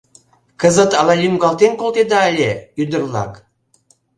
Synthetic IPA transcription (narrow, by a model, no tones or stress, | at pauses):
kə̆zɤ̆t̪ɑlɑjʲymɡɑlˠt̪enkolt̪ed̪ɑːlʲeyd̪ə̆rlˠɑ̰k